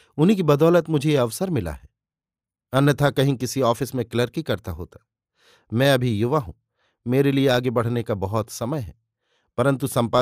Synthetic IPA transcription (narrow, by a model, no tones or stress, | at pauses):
ʊnɦik̬ibɐd̪ɔːlət̪mʊd͡ʒʱeeɐʋsəɾmɪla̰ɦɛː | ɐnjət̪ʰakɐɦĩkɪsiɔːfɪsmẽkləɾkikɐɾt̪aɦo̰ːt̪ḁ | mɛ̃ɐbʱijʊʋaɦṵ̃ː | meːɾelieaːɡebɐɽ̤nekabɐɦɔt̪sɐməjɦɛ | pɐɾə̃nt̪usɐ̃mpa